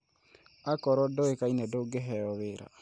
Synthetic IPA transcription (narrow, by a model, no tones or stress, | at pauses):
akɔɾɔdɔekainɛdoɡeɦɛɔβeɾa̰